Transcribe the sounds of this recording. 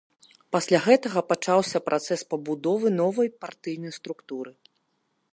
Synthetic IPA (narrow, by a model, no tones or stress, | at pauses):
pasʲlʲaɣɛt̪ɐɣɐpat͡ʂawsʲɐpɾʔat̪sɛspɐbud̪ɔvɨnɔvɐjpart̪ɨjnɐjst̪ɾukt̪uɾɨ